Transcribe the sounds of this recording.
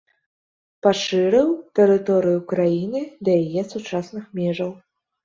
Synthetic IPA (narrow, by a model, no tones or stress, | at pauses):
paʂɨɾɨwt̪ɛɾɨt̪ɔɾɨjukɾajinɨd̪ɐjajɛsut͡ʂasnɨxmʲɛʐɐw